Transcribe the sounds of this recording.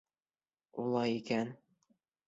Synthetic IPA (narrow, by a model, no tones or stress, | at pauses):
ulˠɑjikæn